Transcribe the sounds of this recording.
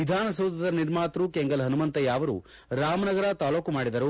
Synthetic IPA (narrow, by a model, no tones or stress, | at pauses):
id̪ʱaːnɐsɐwd̪ɐd̪ɐniɾmaːt̪ɾukeŋɡɐlɦɐnumɐnt̪ɐjaːʋɐɾṵ | ɾaːmɐnɐɡɐɾɐt̪aːlo̞ːkumaːɽid̪ɐɾu